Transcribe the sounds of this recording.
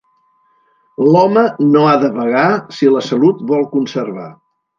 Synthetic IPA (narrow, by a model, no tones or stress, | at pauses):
lɔmənoaðəβəɣasiləsəlut̪̚bɔlˠkunsərβa̰